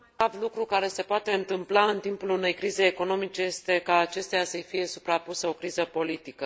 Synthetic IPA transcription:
avlukɾukaɾe̞se̞poat̪e̞ɨnt̪ɨmplaɨnt̪impulune̞jkɾize̞jeko̞no̞mit͡ʃe̞je̞st̪e̞kaːt͡ʃe̞st̪ejasəjfije̞supɾapuseo̞kɾizəpo̞lit̪ikə

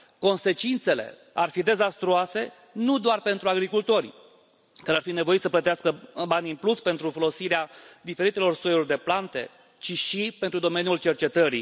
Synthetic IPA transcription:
ko̞nse̞t͡ʃint̪se̞le̞̰ | arfid̪e̞zast̪ɾuase̞ | nud̪oarpe̞nt̪ɾuaɡɾikult̪o̞rʲ | kɨarfine̞vo̞it̪səplət̪iaskəbanʲɨnpluspe̞nt̪ɾufo̞lo̞siɾead̪ife̞ɾit̪e̞lo̞rsojorʲd̪e̞plant̪e̞̰ | t͡ʃiʃipent̪ɾud̪o̞me̞njult͡ʃe̞rt͡ʃe̞t̪əɾḭ

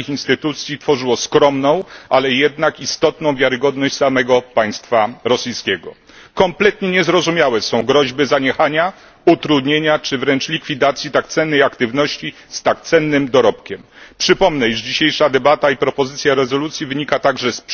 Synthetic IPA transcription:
ixinst̪ɘt̪ut̪sʲjit̪fɔʐɘwɔskɾɔmnɔ̃w̃ʔalɛjɛd̪nakist̪ɔt̪nɔ̃w̃vʲjaɾɘɡɔd̪nɔɕt͡ɕʲsamɛɡɔpaj̃st̪faɾɔsijskʲɛɡɔ̰ | kɔmplɛt̪ɲɛɲɛzɾɔzumʲjawɛsɔ̃w̃ɡɾɔʑbɘzaɲɛxaɲa | ut̪ɾud̪ɲeɲat͡ʂɘvɾɛnt͡ʂlʲikfʲid̪at̪sʲjit̪akt̪sɛnːɛjakt̪ɘvnɔɕt͡ɕi | st̪ak̚t̪sɛnːɘmd̪ɔɾɔp̚kʲɛmpʂɘpɔmnɛiʐd͡ʑiɕejʂad̪ɛbat̪aipɾɔpɔzɘt̪sʲjaɾɛzɔlut̪sʲjivɘɲikat̪aɡʐɛsp

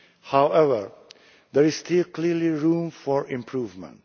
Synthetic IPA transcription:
haʊɛvəɹ | d̪ɛɹɪzstɪlkʰlɪliɹũmfɔɹɪ̃mpʰɹuːvmə̰̃nt

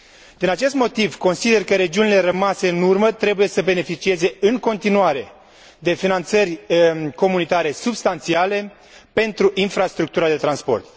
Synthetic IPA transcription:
d̪̥inat͡ʃe̞st̪mo̞t̪ivko̞nsid̪e̞rkəɾe̞d͡ʒiunile̞ɾəmase̞ɨnurmət̪ɾe̞buje̞səbe̞ne̞fit͡ʃie̞ze̞ɨŋko̞nt̪inuaɾe̞ | d̪e̞finant̪sərʲko̞munit̪aɾe̞subst̪ant̪siale̞ | pe̞nt̪ɾuʔinfɾast̪ɾuk̚t̪uɾad̪e̞t̪ɾanspo̞̰rt̪

